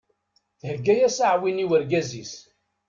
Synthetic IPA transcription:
θhəɡːæjæsaʕwiniwəɾɡæzis

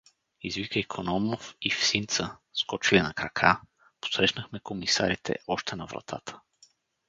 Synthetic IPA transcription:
izvikəikʰonɔmofifsint̪səskɔt͡ʃiənɐkɾɐkʰa | po̥sɾɛʃnəxmɛkomisa̰ɾit̪ʰɛ̰ɔʃt̪ɛnɐvɾɐ̰t̪ʰa̰t̪ʰə̥

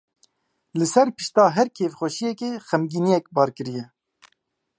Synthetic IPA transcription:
lɨsɛɾpɨ̥ʃt̪ɑːɦɛɾkʰeːvxʷɛʃijɛkeːxɛmɡiːnijɛk̚bɑːɾkɨɾijɛ

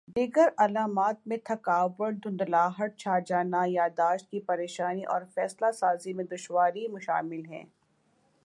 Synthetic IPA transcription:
d̪iːɡəɾɐlaːmaːt̪̚mẽt̪ʰɐkaːʋəɾd̪ʊ̃nd̪laːɦəʈ̚t͡ʃʰaːd͡ʒaːnajaːd̪aːʃt̪̚kipɐɾeːʃaːniʔɔ̰ːɾfɛːslasaːzimẽd̪ʊʃwaːɾimʊʃa̰ːmɪlɦɛ̰̃ː

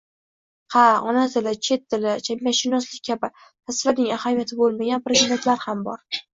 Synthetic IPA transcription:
qʰaɒnat̪ɪlɪt͡ʃʰe̞t̪̚ːɪlɪt͡ʃʰamjʲaʃɪnɒslɪk̚ʲkʰʲabɪ | t̪ʰaslaɾnɪŋahamijat̪ʰɪbolˠmaɡʲanpɾezid̪e̞nt̪laɾhambɒɾ

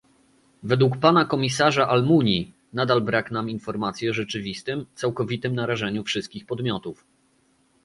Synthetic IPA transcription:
vɛd̪wukpanakɔmʲisaʐaʔalmuɲi | nad̪albɾaknaminfɔɾmat̪sʲjɛɔʐɛt͡ʂɘvʲist̪ɘmt̪sawkɔvʲit̪ɘmnaɾaʐɛɲufʂɘst̪̚kʲixpɔd̪mʲjɔt̪uf

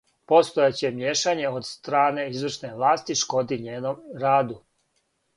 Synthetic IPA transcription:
po̞st̪ojet͡ɕe̞mjeːʃaɲe̞od̪st̪ɾaːne̞izʋr̩ʃne̞ʋlˠaːst̪iʃko̞d̪iɲeːnomɾaːd̪u

